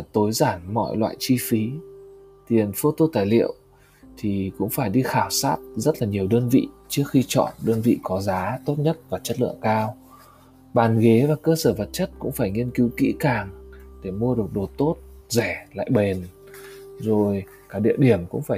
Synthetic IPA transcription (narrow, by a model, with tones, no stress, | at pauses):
t̪o˨˦jzaː˧˩nmɔ̰˧˨jlwa̰ː˧˨jt͡ɕi˧fi˨˦ | t̪i˨˩ənfo˧t̪o˧t̪aː˨˩jlḭ˧˨əw | t̪ʰi˨˩kʊ̰˧˥ŋ͡mfaː˧˩jɗi˧xaː˧˩wsaː˦˥t̚zə˦˥t̚laː˨˩ɲi˨˩əwɗəː˧nvḭ˧˨t͡ɕɨ˦˥ək̚xi˧t͡ɕɔ̰˧˨nɗəː˧nvḭ˧˨kɔ˨˦zaː˨˦t̪o˦˥t̚ɲə˦˥t̚vaː˨˩t͡ɕə˦˥t̚lɨ̰˧˨əŋkaː˧w | ɓaː˨˩nɣe˨˦vaː˨˩kəː˧səː˧˩və˨˩t̚t͡ɕə˦˥t̚kʊ̰˧˥ŋ͡mfaː˧˩jŋi˧ənki˨˦wkḭ˧˥kaː˨˩ŋɗe˧˩mu˧ə˧ɗɨ˨˩ək̚ɗo˨˩t̪o˦˥t̚zɛ˧˩la̰ː˧˨jɓe˨˩n | zo˨˩j | kaː˨˦˥ɗḭ˧əwɗi˧˩əmkʊ̰˧˥ŋ͡mfaː˧˩